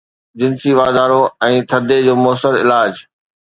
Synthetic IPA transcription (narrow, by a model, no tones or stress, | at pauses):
d͡ʑɪnsiʋaːd̪aːɾoɛ̃ːt̪ʰɐd̪ʱed͡ʑoːmoːsəɾɪ̰laːd͡ʑ